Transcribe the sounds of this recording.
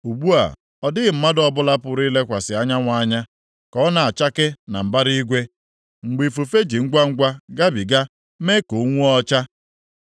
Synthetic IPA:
u˨ɡ͡bu˦a̰˨ | ɔ˨dɪ˦ɣɪ˨m̩˦ma˦dɔ˦bʊ˦la˦pʊ˨ɾi˦le˦kʷa˨sɪ˨a˦ɲa˦ŋʷa˨˦ɲa˦ | kɔ˦na˨a˨t͡ʃa˦kɪ˦na˨m̩˨ba˦ɾi˦ɡʷe˦ | ŋ͡m̩˨ɡ͡bi˨fu˨fe˦d͡ʒi˨ŋ̩˦ɡʷa˦ŋ̩˦ɡʷa˦ɡa˦bi˨ɡa˦ | me˦ko˨˦ŋʷu˦ɔ˦t͡ʃa˦

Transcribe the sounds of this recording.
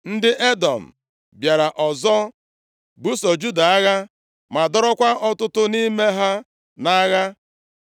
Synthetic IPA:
n̩˦dɪ˦ʔe˦dɔ˨m̩˨ | bja˨ɾa˨ʔɔ˨zɔ˦ | bu˦sɔ˨d͡ʒu˦da˨a˦ɣa˦ | ma˨dɔ˦ɾɔ˦kʷa˦ʔɔ˦tʊ˦tʊ˦ni˦me˦ɦa˦ | na˦ɣa˦

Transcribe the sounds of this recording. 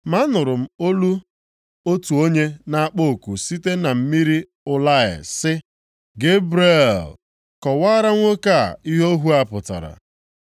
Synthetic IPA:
ma˦nʊ˨ɾʊ˨m̩˦o˦lu˦ | o˦tu˨o˦ɲe˦na˦˨a˦k͡po˦o˨ku˨si˦te˦na˨m̩˦mi˦ɾi˦ | ʊ˦la˦ɪ̰˨sɪ˦ | ɡe˦bɾi˦e˦˨l | kɔ˨wa˦ɾa˦ŋʷo˦ka˦˨i˦ɦo˦ɦu˦a˨pʊ˨ta̰˨ɾa̰˨

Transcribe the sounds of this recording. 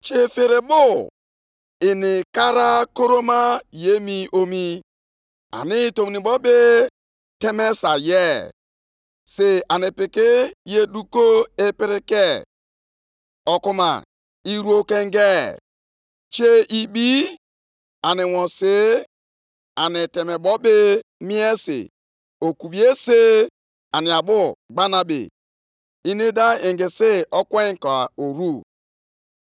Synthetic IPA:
t͡ʃe˦fe˨ɾe˨bʊ˦ | ɪ˨nɪ˨ka˦ɾa˦ko˦ɾo˦ma˦je˦mi˦ʔo˦mi˦ | a̰˨nɪ˦˨to˨mi˨ni˨bɔ˦be˦ | tɛ˦mɛ˦sa˨jɛ˦˨ | se˨a˨nɪ˨pɪ˨kɪ˦je˦du˦ko˦e˦pɪ˦ɾɪ˦kɛ˦˨ | ɔ˨ku˦ma̰˨ | i˦ɾu˦o˦ke˦ŋ˦ɡe˦ | t͡ʃe˦i˦bi˦ | a˨nɪ˨wɔ̃˨se˨˦ | a˨nɪ˨te˨me˨bɔ˦be˦mi˦e˦sḭ˨ | o˨ku˨bi˨e˦se˦ | a˨ni˨a˨bʊ˦ɡ͡ba˦na˦bḛ˨ | i˦ni˦da˦e˨ŋɡɪ˨se˦ɔ˦kwe˦ŋ˨kɔ˨a˨o˨ɾu˦

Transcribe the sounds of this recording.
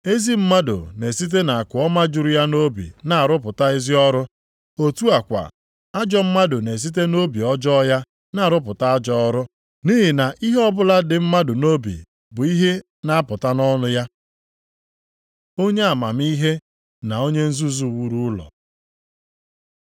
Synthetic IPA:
e˦zi˦m̩˦ma˦do̰˨ne˨si˦t̬e˦na˨a˨kʊ˨˦ɔ˦ma˦d͡ʒʊ˨ɾʊ˦ja˦no˦bḭ˨na˨a˨ɾʊ˦pʊ˨ta˦e˦zi˦ɔ˦ɾʊ˦ | o˦tu˦a˨kʷa̰˨ | a˦d͡ʒɔ˦m̩˦ma˦do˨ne˨s̬i˦t̬e˦no˦bi˨ɔ˦d͡ʒɔ˦ja˦ | na˨˦˨ɾʊ˦p̬ʊ˨ta˦a˦d͡ʒɔ˦ɔ˦ɾʊ˦ | ni˦ɦɪ˨na˨ʔi˦ɦe˦ɔ˦bʊ˦la˦dɪ˨m̩˦ma˦dʊ˨no˦bḭ˨ | bʊ˨i˦ɦe˦ | na˦a˦pʊ˨ta˦nɔ˦nʊ˦ja˦ | o˦ɲe˦a˨ma˨m˦i˦ɦe˦ | na˨o˦ɲe˦n̩˦zu˦zu˦˨wu˦ɾu˦ʊ˦lɔ̰˨

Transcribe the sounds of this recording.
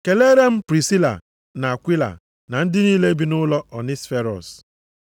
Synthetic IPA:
ke˨le˦ɾe˦m̩˦pɾi˨si˦la̰˨ | na˨a˨kʷi˦la̰˨ | na˨n̩˦dɪ˦niː˦le˦bi˨nʊ˦lɔ˦ʔɔ˨ni˦sfe˦ɾɔ̰˨s

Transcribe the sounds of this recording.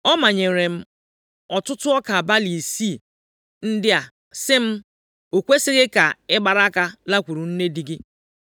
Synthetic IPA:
ɔ˦ma˨ɲe˨ɾe˨m̩˦ | ɔ˨tʊ˦tʊ˦ɔ˦ka˨ba˦li˨si˦˨ | n̩˦dɪ˦a˨ | sɪ˦m̩˦ | o˨kʷe˦sɪ˦ɣɪ˦ka˨ɪ˦ɡ͡ba˨ɾa˦ka˦la˦kʷu˨ɾu˨n̩˦ne˦di˨ɡɪ˦

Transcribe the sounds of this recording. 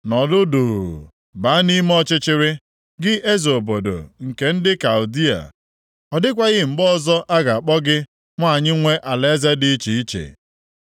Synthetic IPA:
nɔ˨dʊ˦du˨ɣṵ˨ | ba˨˦ni˦m˦ɔ˦t͡ʃɪ˦t͡ʃɪ˦ɾɪ˦ | ɡɪ˦ʔe˦zo˨bo˨do̰˨ŋ̩˨ke˨n̩˦dɪ˦ka˨u˨di˦a̰˨ | ɔ˨dɪ˦kʷa˦ɣɪ˦ŋ͡m̩˨ɡ͡bɔ˦˨zɔ˦ʔa˦ɡa˨a˨k͡pɔ˦ɡɪ˦ | ŋʷ˦a˦˨ɲɪ˦ŋʷe˦ʔa˨le˦ze˦dɪ˦t͡ʃi˨i˦t͡ʃḛ˨

